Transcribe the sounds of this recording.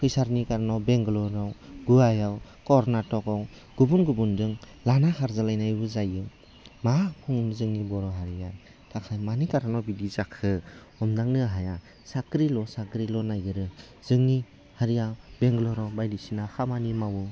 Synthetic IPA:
kʰɯjsaɾnikaɾanawbeŋɡlɔɾawɡuajawkɔɾnatɔkaw | ɡ̥ubunɡubundɯŋ | lanahʰaɾzalajnajbɯzajɯ | makʰɔŋnɯzɯŋnibɔɾɔɦaɾia | tʰakʰajmanikaɾanɔwbidizakʰɯ | ɔmdaŋnɯɦaja | sakɾilɔsakɾilɔnajɡɯɾɯ | zɯŋni | haɾijawbeŋɡlɔɾawbajlisinahamanimawu

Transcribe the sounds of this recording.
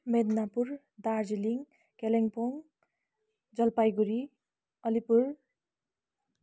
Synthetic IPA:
med̪napuɾ | d̪aɾd͡ziliŋ | keleŋpoŋ | d͡zʌlpajɡuɾi | ʌlipuɾ

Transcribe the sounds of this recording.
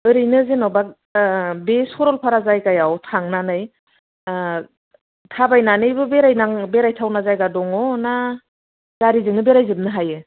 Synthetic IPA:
ɯɾɯjnɯzenɔbak̚ | besɔɾɔlpʰaɾazajkajawtʰaŋnanɯj | tʰabajnanɯjbɯbeɾajnaŋbeɾajtʰawnazajɡadɔŋɔna | z̥aɾizɯŋnɯbeɾajzɯm̚nɯɦajɯ

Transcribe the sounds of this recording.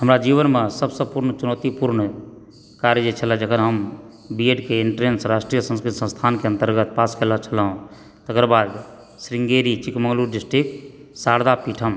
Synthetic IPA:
ɦəmɾad͡ʒibənmesəbsəbpuɾnt͡ʃunət̪ipuɾɳə | kaɾjəd͡ʒet͡ʃʰəlɛ̃d͡ʒəkʰəɾɦəm | bieɖkeiɳʈɾensɾaːsʈɾijəsə̃nskɾit̪sə̃nst̪ʰankeənt̪əɾɡət̪̚paskelət͡ʃʰəlɦũ | t̪əkɾbad̪ | sɾiŋɡeɾit͡ʃikmə̃ŋɡluɖisʈɾiksaɾd̪apiʈʰəm

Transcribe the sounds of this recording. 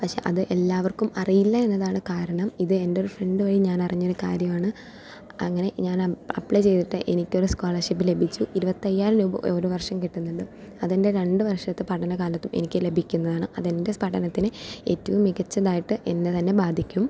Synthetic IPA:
pɐkʂe̞̰ʔɐðɨʔe̞lːaːʋɐrkumɐrijilːɐe̞nːɐðaːɳɨkaːɾɐɳɐmiðɨe̞ndeoɾufre̞ɳɖɨʋɐɻiɲaːnɐriɲːo̞ɾukaːɾjɐmaːɳɨ | ɐŋːɐne̞ɲaːnɐ̰pɭejt͡ɕe̞jt̪iʈːɨʔe̞nikʲːo̞ɾuskoːɭɐrʂip̬ːɨle̞bʱit͡ɕːuʔiɾubɐt̪ːɐjːaːɾɐnuboɾuʋɐrʂɐmkiʈːunːuɳɖɨ | ɐðinde̞ɾe̞ɳɖɨʋɐrʂɐt̪ːepɐʈʰːɐnɐkaːlɐt̪ːumʔe̞nikʲːɨle̞bʱikʲːunːɐðaːɳɨʔɐðende̞pɐʈːɐnɐt̪ːinɨe̞̰ːtːɐʋumːiɡɐt͡ɕːɐðaːjiʈːɨʔe̞nːet̪ɐnːe̞baːd̪ʱikʲːum

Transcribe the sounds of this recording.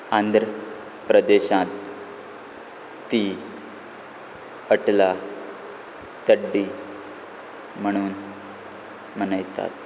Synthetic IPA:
ãnd̪ʱɾə | pɾəd̪eɕãt̪ | i | əʈla | t̪əɖːiː | m̤əɽ̃uːn | mənəjt̪a̰t̪

